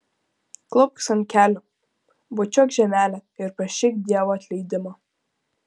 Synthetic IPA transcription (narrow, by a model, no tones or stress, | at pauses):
klˠʊp̚ksɐnkʲæːlʲʊ | bʊt͡ʃʲɔkʒʲɛmʲæːlʲɛɪɾpɐʃʲɪk̚d̪ʲiɛʋɔɐt̪ʲlʲɛɪd̪ʲɪmɐ